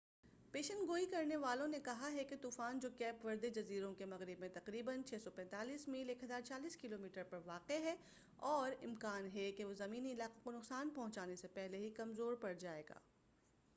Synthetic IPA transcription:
peːʃə̃nd̪ɡoːikɐɾneʋaːlõnekɐɦaɦɛket̪uːfaːnd͡ʒoːkɛːpʋɐɾd̪ed͡ʒɐziːɾõkemɐɣɾɪbmẽt̪ɐqɾiːbənt͡ʃʰɛːsɔpɛ̃ːnt̪aːliːsmiːleːkʰɦɐzaːɾt͡ʃaːliːskɪloːmiːʈəɾpɐɾʋaːqeɦɛ | ɔːɾɪmkaːnɦɛkeʋozɐmiːniɪlaːqekonʊqsaːnpɐ̃ɦʊ̃t͡ʃaːnesepɛɦleɦikɐmzoːɾpɐɽd͡ʒaːeːɡa̰ː

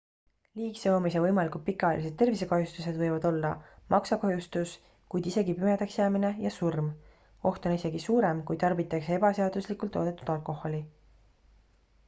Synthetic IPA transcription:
liːkseomis̬evɤjmɑlikult̪̚pikːˑɑelise̞d̪̚t̪e̞rvis̬e̞kɑɦjust̪use̞d̪vɤjvɑd̪̥o̞lːɑmʔɑksɑkɑɦjust̪us | kujd̪̥ise̞ɡipyme̞d̪̥ɑksjæːmine̞jɑsurm | o̞ht̪o̞nise̞ɡisuːɾe̞mkujt̪ɑrbit̪ːˑɑkseeb̥ɑse̞ɑd̪̥uslikult̪ˑːo̞ːd̪et̪ːˑu̥d̪̥ɑlkˑo̞ho̞li

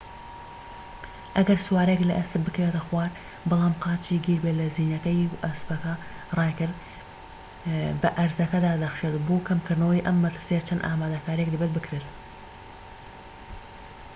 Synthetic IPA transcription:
ʔɐɡɐɾsʊwɑːɾeklɐʔɐsɨbbɨkɐvet̪ɐxwɑːɾ | bɑlˠɑːmqɑːt͡ʃiːɡiːɾbetlɐziːnɐkɐjʔɐspɐkɐrˤɑːjkɨɾd̪ | bɐʔɐɾzɐkɐd̪aːd̪ɐxʃet̪boːkʰɐmkʰɨɾd̪nɐwɐjʔɐmːɐt̪ɨɾsijɐt͡ʃʰɐnd̪ʔaːmaːd̪ɐkaːɾijekd̪ɨbet̪̚bɨkɾeːt̪

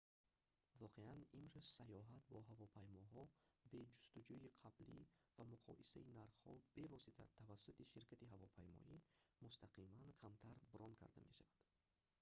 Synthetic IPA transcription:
vɔqʰe̞animɾuzsajɔɦat̪bɔɦavɔpʰajmɔɦɔbe̞d͡ʒust̪ud͡ʒuiqʰablivamuqʰɔ̰ʔisa̰inaɾχhɔ̰b̥e̞vɔsit̪ʰa̰t̪ʰavasːut̪iʃiɾkʰat̪iɦavɔpʰajmɔ̰ʔimust̪ʰaqʰimankʰamt̪ʰaɾbuɾɔnkʰa̰ɾd̪a̰me̞̰ʃavad̪̥

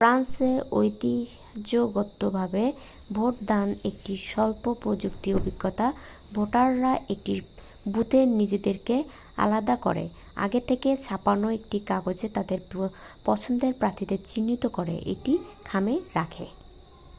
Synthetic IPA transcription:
fɾanseojt̪i | ad͡ʑoɡot̪ːobʱabe | bʱoʈ̚d̪anek̚ʈiʃɔlpopɾod͡ʑukt̪iobʱiɡːot̪a | bʱoʈaɾːaʔek̚ʈi | but̪enid͡ʑed̪eɾke | a̰lad̪ako̰ɾḛ | a̰ɡet̪ʰeket͡ɕʰapanoek̚ʈikaɡod͡ʑet̪ad̪eɾ | pɔt͡ɕʰond̪eɾpɾat̪ʰit̪et͡ɕinːit̪okoɾḛʔḛʈikʰameɾakʰe

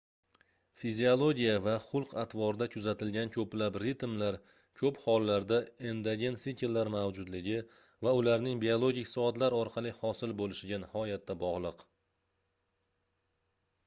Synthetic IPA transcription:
fiziolˠo̞ɡʲijavaχʊlˠqʰat̪ʰvɒɾɪd̪akʰʊzat̪ʰɪlɡʲankʲʰɵplapɾɪt̪mlaɾ | kʲʰɵphɒlˠːaɾd̪aend̪aɡʲensikʲeɾlaɾmawd͡ʒʊd̪lɪɡʲɪ | vaʊlaɾnɪŋbiolˠo̞ɡʲɪkʲsɒt̪laɾɒɾqʰɑlˠɪhɒsɪlbolɪʃɪɡʲanɪhɒjat̪̚ːabɒʁlˠɨq

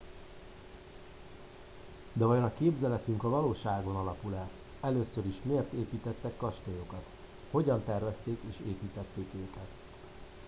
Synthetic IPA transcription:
d̪ɛvɒjonɒkeːbzɛlɛt̪yŋkɒvɒloːʃaːɡo̞nɒlɒpulɛl | ɛløːsøɾiʃmeːrt̪eːpiːt̪ɛt̪ːɛkːɒʃt̪ojo̞kɒt̪ | ho̞ɟɒnt̪ɛrvɛst̪eːkeːʃeːpiːt̪ɛt̪ːeːkøːkɛt̪

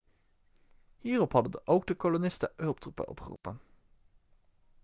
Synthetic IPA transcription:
hiːrɔphɑdəndəʔowɡ̚dəkolonɪstəɦɵlˠp̚trupə̰nʔɔ̰pχə̰rṵːpə̰n

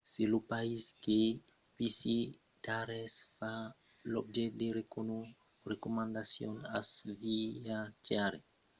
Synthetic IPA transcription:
silupaiske | pisi | t̪aɾesfa | lob̚d͡ʒed̪eɾekonu | ɾekomand̪asjona̰sviat͡ʃaɾe

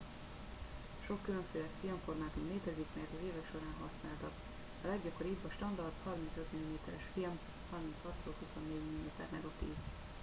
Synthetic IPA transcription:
ʃo̞kːyløɱføːlɛkfilmfo̞rmaːt̪umleːt̪ɛzikmɛrt̪ɒzeːvɛkʃo̞ɾaːnɦɒsnaːlt̪ɒk | ɒlɛɡɟɒko̞ɾiːbɒʃt̪ɒnd̪ɒrt̪hɒrmint̪søt̪milimeːt̪ɛɾɛʃfilm | hɒrmint̪shɒt̪soːlhuso̞nːeːɟmillimeːt̪ɛ̰rnɛɡot̪iːv

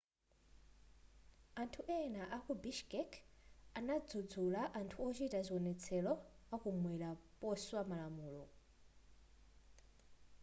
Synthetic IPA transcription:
antʰuʔɛnaʔakubiʃkɛkʰanad͡zud͡zulaʔantʰuɔt͡ʃitazʷiwɔnɛt͡sʰɛlɔakumwɛlapɔswamalamuːlɔ

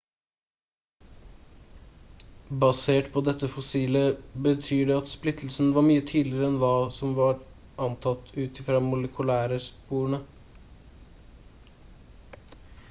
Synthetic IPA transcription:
bɑseːʈpʰɔd̪ɛt̪ːəfɔsiːləbət̪ʰyːɖɛɑt̪splɪt̪ʰl̩sn̩ʋɑːɾmyːət̪ʰyːd̪lɪɾəɛnʋɑːsɔmʋɑːɾ | ʔɑnt̪ʰɑt̪ːʉːt̪ɪfɾɑːmʊləkʰʉlæːɾəspuːɳə

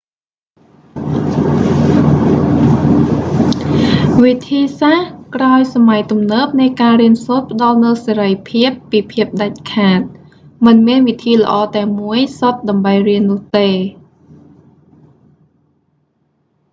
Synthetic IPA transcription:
ʋit̪ʰiːsahkraɔjsamajt̪umnəːp̚nɨjkaːriənsoːt̪̚pə̆ɗɑlnɨwseːɾəjpʰiəpːiːpʰiəp̚ɗac̚kʰaːt̪̚ | mɨnmiənʋit̪ʰiːlə̆ʔɑːt̪aɛmuəjsot̪̚ɗɑmɓəjriənːʊ̆əht̪eː

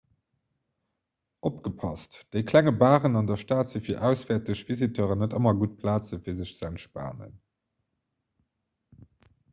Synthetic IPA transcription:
ʔopɡ̥əpʰɑstd̥eɪkʰlæŋəbaːʁənɑndɐʃtaːtz̥əfiːɐʔæʊsv̥ɛːɐtəɕv̥izitʰœːʁənətəmɐɡut̚pʰlaːt͡səfiːɐzəɕt͡sænʃpa̰ːnə̰n

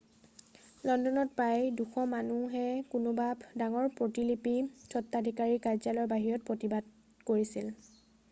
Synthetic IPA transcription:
lɔndɔnɔt̚pajduxʰɔmanuɦɛkʊnʊbabdaŋɔɹpɹotilipitʰɔtːadʱikaɹikazalɔɹbaɦiɹɔt̚pɹotibad̚ | koɹisil

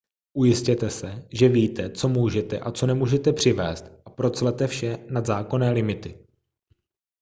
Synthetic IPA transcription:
ʔujɪscɛt̪ɛsɛʒɛviːt̪ɛt͡so̞muːʒɛt̪ɛ̰ʔat͡so̞nɛmuːʒɛt̪ɛpr̝̥ɪvɛ̰ːst̪ʔapɾo̞t͡slɛt̪ɛfʃɛnad̪zaːko̞nɛːlɪmɪt̪ɪ

